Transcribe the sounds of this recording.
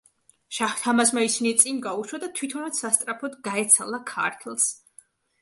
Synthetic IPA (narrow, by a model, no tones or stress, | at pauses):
ʃaht̪ʰamasmaisinit̪sʼiŋɡauʃwad̪at̪ʰwit̪ʰɔnat̪sast̪ʼɾapʰɔd̪ɡaɛt̪sʰalˠakʰa̰ɾt̪ʰlˠs